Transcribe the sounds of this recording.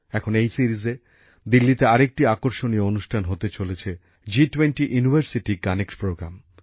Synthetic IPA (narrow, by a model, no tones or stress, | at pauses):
ɛkʰonejsiɾize | d̪ilːit̪eaɾek̚ʈiakoɾʃonieonuʃʈʰanɦot̪et͡ɕolet͡ɕʰe | d͡ʑiʈwenʈiʔjunibʱaɾsiʈikanekspɾoɡɾa̰m